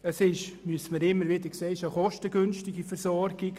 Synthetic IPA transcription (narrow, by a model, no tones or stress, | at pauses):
əsɪʃmyəsəməɾɪmːəɾʋɪdəɾkseːɪʃəχɔʃtəɡʏnstɪɡifɛrsɔrɡ̥ɪɡ